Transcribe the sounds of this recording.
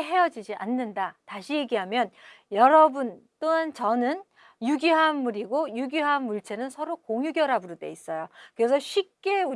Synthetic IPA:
ɦe̞jʌd͡ʑid͡ʑiʔanːɯndataɕʰije̞ɡiɦamjʌn | jʌɾʌbunt͈oɦant͡ɕʌnɯn | juɡiɦamːuɾiɡojuɡiɦamːuɭt͡ɕʰe̞nɯnsʰʌɾokoŋjuɡjʌɾabuɾɯde̞is͈ʌjokɯɾe̞sʰʌɕʰip̚k͈e̞u

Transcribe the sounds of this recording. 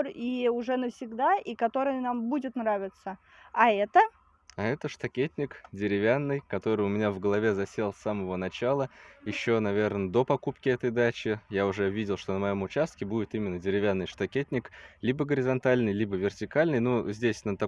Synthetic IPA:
riʊʐɛnəfsʲɪɡd̪aʔikɐt̪o̞ɾɨjənambudʲɪt̪nravʲɪt̪sə | ɐɛt̪ə | ɐɛt̪əʂt̪ɐkʲet̚ʲnʲɪkdʲɪɾʲɪvʲanːɨjkɐt̪o̞ɾɨjʊmʲɪnʲavɡəlˠɐvʲe̞zɐsʲe̞lˠsaməvənɐt͡ɕalˠəjɪɕːo̞nɐvʲe̞rnəd̪o̞pɐkupkʲɪɛt̪əjd̪at͡ɕɪjaʊʐɛvʲidʲɪlˠʂt̪o̞nəmɐjo̞mʊt͡ɕast̪̚kʲɪbudʲɪt̪imʲɪnːədʲɪɾʲɪvʲanːɨjʂt̪ɐkʲetʲnʲɪklʲibəɡəɾʲɪzɐnt̪alʲnɨjlʲibəvʲɪrtʲɪkalʲnɨjnuzʲdʲesʲnət̪ɐ

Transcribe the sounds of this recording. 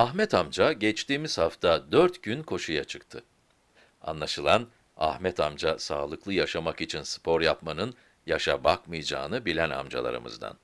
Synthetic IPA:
aɦmɛt̪ʰamd͡ʒaɟɛt͡ʃt̪iːmiz̥haft̪ʰad̪øɾt̪ɟ̥ynkʰo̞ʃujat͡ʃʰɯk̚t̪ʰɯ | a̰nlˠaʃɯlˠan | a̰hmɛt̪ʰamd͡ʒasaːlˠɯklˠɯjaʃamakit͡ʃʰinsɯ̥pʰo̞ɾjapmanɯn | jaʃabakmɯjd͡ʒa̰ːnɯbilʲæna̰md͡ʒa̰lˠa̰ɾɯ̰mɯ̰zd̪a̰n

